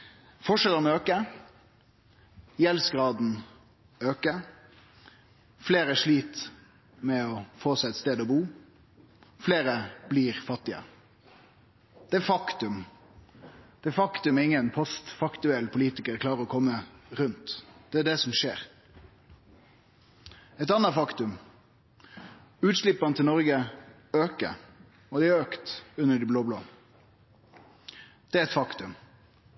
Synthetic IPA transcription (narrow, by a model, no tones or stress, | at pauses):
fɔʂɛlənøːkə | jɛlsɡɾɑːd̪n̩ | øːkə | fleːɾəæʂliːt̪ | mɛɔfoːsæɪɛt̪st̪eːd̪ɔbuː | fleːɾəbliːʁfɑt̪ːɪə̰ | d̪̥ɛæɾfɑkt̪ʉm | d̪̥ɛfɑkt̪ʉmæɪŋːənpʰɔst̪fɑkt̪ʉɛlpʰʊliːt̪ɪkəɾkʰlɑːɾʁəɾɔkʰɔmːəɾʉnt̪d̪̥ɛæɖɛsɔmʃeːʁ | ɛt̪ɑnɑfɑkt̪ʉm | ʉːt̪ʂlɪpːɑnt̪ɪlnɔɾɡə | øːkə̰ | ɔd̪ɛæɾøːkt̪ʉnːəɖibloːbloː | d̪̥ɛæɾɛt̪fɑkt̪ʉm